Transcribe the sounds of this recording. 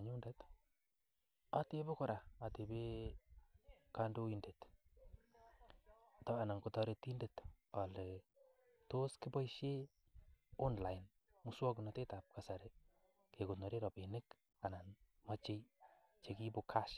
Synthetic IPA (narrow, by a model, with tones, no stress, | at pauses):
ɲu˦ndɛ˦t | ate˦be˦kɔ˨ɾʔa˨a˨te˨be˦ | ka˦ndo˦indet | tɔ˦a˨na˨ŋkotɔɾe˧ti˦nde˨tɔ˨le˨ | to˦ski˦bɔ˦iʃe˦ | ɔ˦nla˨jn | muswɔ˦kunate˦ta˨p̚kasa˨ɾe˦ | ke˨ko˨no˨ɾe˦ɾɔ˨pe˨nɪ˦k | a˨na˨nma˦t͡ʃe˦j | t͡ʃe˨ki˦bokʰa˦ʃ